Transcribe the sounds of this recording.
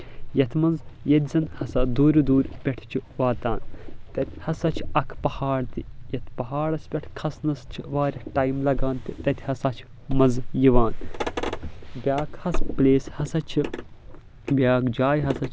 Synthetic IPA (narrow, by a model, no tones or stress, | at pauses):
jɐt̪ʰmɐnzjɐt̪ʲizɐnhɐsɐd̪uːɾʲd̪uːɾʲpʲeʈʰt͡ʃʰiʋaːt̪aːnt̪ɐt̪ʲʰhɐsɐt͡ʃʰɐkʰpɐhaːɽt̪ijɐt̪ʰpɐɦaːɽɐsʲpʲɐʈʰʲkʰɐsnɐst͡ʃʰiʋaːɾʲɐʈaːjmlɐɡaːnt̪it̪ɐt̪ʲʰhɐsɐt͡ʃʰ | mɐnzjiʋaːn | bʲaːkhɐspleːshɐsɐt͡ʃʰi | bʲaːkd͡ʒaːjɦɐsɐt͡ʃʰ